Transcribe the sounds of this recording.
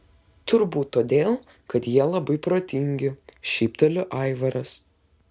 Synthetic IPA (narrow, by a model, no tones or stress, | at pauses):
t̪ʊɾbuːt̪ːoːd̪ʲeːlˠ | kɐt̪jiɛlˠɐbɐɪpɾoːt̪ʲɪŋʲɡʲɪʃʲiɪpt̪ʲɛlʲʊʔɐˑɪʋɐɾɐs